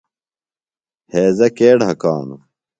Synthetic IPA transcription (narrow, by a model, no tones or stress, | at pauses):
heːzɐkeːɽɦɐkaːnu